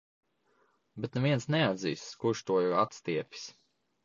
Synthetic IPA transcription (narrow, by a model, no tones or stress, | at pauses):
bet̪neviɛnsnɛad̪zḭːskuɾʃt̪uɔjawat̪st̪iɛpʲi̥s